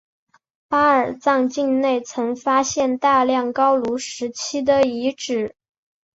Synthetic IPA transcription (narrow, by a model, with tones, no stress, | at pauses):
pa˥ə˞˨˩t͡sɑ˥˧ŋt͡ɕi˥˧nne˥˩ɪt͡sʰɤ˧˥ŋfa˥ɕjɛ˥˧nt̪a˥˧ljɑ˥˩ŋkɑ˥ʊlu˧˥ʂɻ̩˧˥t͡ɕʰi˥d̪ə˨i˧˥ʈ͡ʂɻ̩˨˩˦